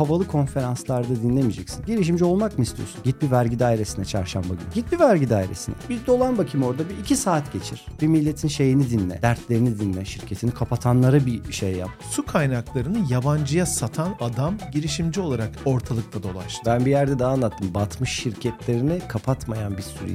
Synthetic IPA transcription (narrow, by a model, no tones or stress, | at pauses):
havalˠɯkʰo̞nfe̞ɾanslˠaɾd̪ad̪inlʲemid͡ʒɛcsi̥nɟiɾiʃ̬imd͡ʒɛo̞lˠmakmɯist̪ʰijo̰sunɟit̪̚bivæɾɟid̪aːiɾe̞sinɛt͡ʃʰaɾʃambaɡynyɟit̪̚bivæɾɟid̪aːiɾe̞̰sinɛ̰bizd̪o̞lˠanbacʰimo̞ɾd̪abiːcʰisaːt̪ɟe̞t͡ʃʰiɾ̥b̥imilʲːe̞t̪ʰinʃe̞jinid̪inlːʲɛ̰d̪æɾt̪lʲe̞ɾinid̪inlːʲɛʃiɾcʰe̞t̪ʰinikʰapʰat̪ʰanlˠaɾabiʃejːa̰p̚ | sukʰajnaklˠaɾɯnɯjaband͡ʒɯjasat̪ʰanad̪amɟiɾiʃimd͡ʒio̞lˠaɾako̞ɾt̪ʰalˠɯk̚t̪ʰad̪o̞lˠa̰ʃbænbijæɾd̪ɛd̪aɦaːnlˠat̪ʰːɯmbat̪ʰmɯʃːiɾcʰɛt̪lʲe̞ɾinɛkʰapʰat̪majanbisyɾḭ